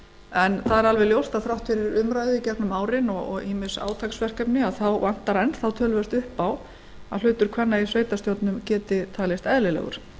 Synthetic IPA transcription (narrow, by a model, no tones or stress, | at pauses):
ɛnθaðɛɾalvɛljowst̪aðθɾawht̪fɪɾɪɾʏmɾaːjðʏicɛknʏmaːwɾɪnɔɔɣiːmɪsa̰ːwt̪ʰajksvɛr̥kɛpnɪaðθawvan̥t̪aɾɛnθawt̪ʰœːlvɛst̪ʏhpːaw | aðlʏːt̪ʏɾ̥kʰvanːaisveːjt̪ast̪jowt̪nʏmcɛːt̪ɪt̪ʰaːlɪst̪ɛðlɪlɛ̰ɣʏ̰ɾ̥